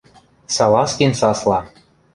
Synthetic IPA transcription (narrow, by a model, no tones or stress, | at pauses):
sɑlɑskensɑslˠɑ